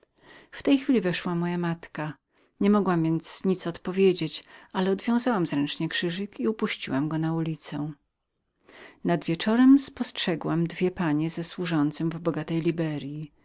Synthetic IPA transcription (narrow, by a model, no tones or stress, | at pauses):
ft̪ɛjxfʲilʲivɛʂwamɔjamat̪ka | ɲɛmɔɡwamvʲjɛnt̪sɲit̪sɔt̪pɔvʲjed͡ʑet͡ɕʔalɛɔd̪vʲjɔ̃w̃zawamzɾɛnt͡ʂɲɛkʂɘʐɘkiupuɕt͡ɕiwamɡɔnaulʲit̪sɛ | nad̪vʲjɛt͡ʂɔɾɛmspɔstʂɛɡwamd̪vʲjɛpaɲɛzɛswuʐɔnt̪sɨmvbɔɡat̪ɛjlʲibɛɾji